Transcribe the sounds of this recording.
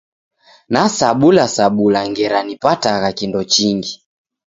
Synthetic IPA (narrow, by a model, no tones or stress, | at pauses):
nasaɓulasaɓulaŋɡɛɾanipataɣakindɔt͡ʃiŋɡi